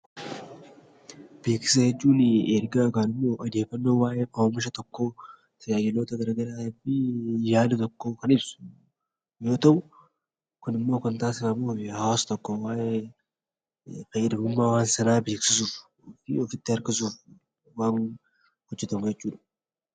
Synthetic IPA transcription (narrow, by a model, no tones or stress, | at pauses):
b̥eːksɪ̥s̬ɐjɛt͡ʃʼːuːnɛɾɡaːkaːnɪmːo̞ːʔɐd̪eːfɐnːoːwaːjekɐmɐʃ̬ɐt̪ʰɔkːo̞ː | t̪ʰɐjaːjɛloːt̪ɐɡɐɾɐɡɐɾabɪjaːd̪t̪ɔkːokɐnɪbsʊ̥ | joːt̪ɐw | kʊnɪmːo̞ːkɐnt̪aːsɪɐmohawast̪ɔkːowaːje | fɐjɛd̪ɐmʊmːawaːnsɐnaːbeːksɪsuːf | fɪ̰ɔfɪt̪ːɪɐɾkɪsuːf | waːn | hɔd͡ʒːɛt̪ɐmjɛt͡ʃʼːuːnɐ